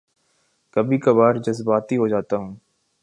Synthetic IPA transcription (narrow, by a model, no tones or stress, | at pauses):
kɐbʱikɐbaːɾd͡ʒɐzbaːt̪iɦod͡ʒaːt̪aɦũː